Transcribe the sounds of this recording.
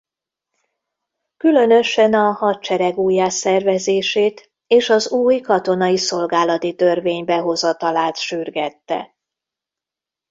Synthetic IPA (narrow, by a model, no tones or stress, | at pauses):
kylø̞nø̞ʃɛnɒhɒt̪t͡ʃɛɾɛɡuːjaːsɛrvɛzeːʃeːt̪ | eːʃɒzuːjkɒt̪o̞nɒjiso̞lɡaːlɒt̪it̪ø̞rveːɲbɛɦo̞zɒt̪ɒlaːt̪ʃyrɡɛt̪ːɛ̰